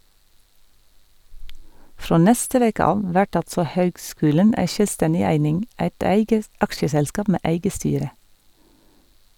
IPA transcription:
ˈfɾoː ˈnɛstə ˈʋeːkə ˈɑːʋ ˈʋæʈ ˈɑltsɔ ˈhøːɡˌskʉːlən ˈæɪ ˈʃœlˌstɛnɪ ˈæɪnɪŋ ˈæɪt ˈæɪɡə ˈɑkʃəsɛlˌskɑːp ˈmeː ˈʔæɪɡə ˈstyːɾə

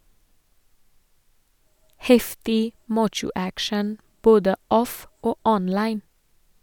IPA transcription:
ˈhɛftɪ ˈmɑːt͡ʃʊ ˈækʃɳ̩ ˈboːdə ˈɔf ˈoː ˈɔnlɑɪn

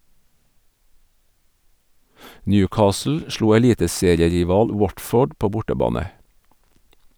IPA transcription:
ˈnjʉːˌkɑːsl̩ ˈʃɭuː ɛˈliːtəˌseːɾɪəɾɪˌʋɑːl ˈwɔtˌfoːɖ ˈpoː ˈbʊʈəˌbɑːnə

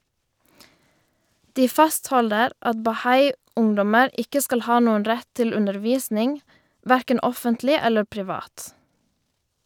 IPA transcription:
ˈdiː ˈfɑsthɔldəɾ ˈɑt bɑˈhɑɪ ˈʊŋdɔməɾ ˈɪkə ˈskɑl ˈhɑː ˈnuːən ˈɾɛt ˈtɪl ˌʉndəʁˈʋiːsnɪŋ ˈʋæɾkən ˈɔfəntlɪ ˈɛlə pɾɪˈʋɑːt

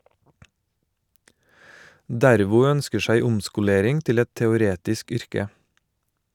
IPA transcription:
ˈdæɾʋʊ ˈœnskə ˈsæɪ ˈʊmskʊˌleːɾɪŋ ˈtɪl ˈɛt tɛʊˈɾeːtɪsk ˈʏɾkə

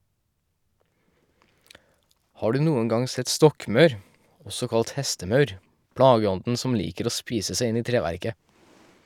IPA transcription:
ˈhɑː ˈɖʉː ˈnuːəŋ ˈɡɑŋ ˈsɛt ˈstɔkmœɾ ˈɔsɔ ˈkɑlt ˈhɛstəˌmɑʉɾ ˈpɽɑːɡəˌɔndn̩ ˈsɔm ˈliːkəɾ ˈoː ˈspiːsə ˈsæɪ ˈɪn ˈiː ˈtɾeːʋæɾkə

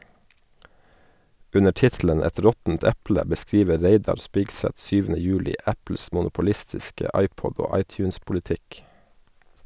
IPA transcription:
ˈʉnə ˈʈɪtlən ˈɛt ˈɾɔtn̩t ˈɛplə bəˈskɾiːʋə ˈɾeɪdɑɾ ˈspɪksɛt ˈsyːʋənə ˈjʉːlɪ ˈæpl̩s mʊnʊpʊˈlɪstɪskə ˈɑɪˌpɔd ˈoː ˈɑɪˌtjʉːnspʊlɪˌtɪk

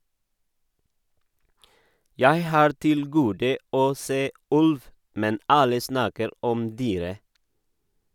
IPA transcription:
ˈjæɪ ˈhɑːɾ ˈtɪl ˈɡuːdə ˈoː ˈseː ˈʉlʋ ˈmɛn ˈɑlə ˈsnɑːkəɾ ˈɔm ˈdyːɾə

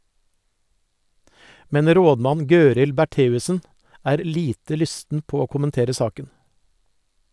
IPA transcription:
ˈmɛn ˈɾoːdˌmɑn ˈɡøːɾɪl bæˈʈeːʉsn̩ ˈæːɾ ˈliːtə ˈlʏstn̩ ˈpoː ˈoː kʊmənˈteːɾə ˈsɑːkən

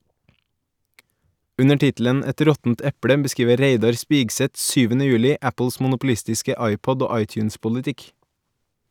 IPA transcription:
ˈʉnə ˈʈɪtl̩ən ˈɛt ˈɾɔtn̩t ˈɛpɽə bəˈskiːʋə ˈɾeɪdɑɾ ˈspɪɡsɛt ˈsyːʋənə ˈjʉːlɪ ˈæpl̩s mn̩ʊpl̩ˈɪstɪskə ˈɑɪˌpɔd ˈoː ˈɑɪtjʉnspʊlɪˌtɪk

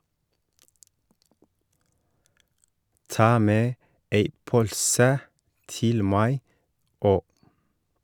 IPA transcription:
ˈtɑː ˈmeː ˈeɪ ˈpœʎsə ˈtɪl ˈmæɪ ˈoː

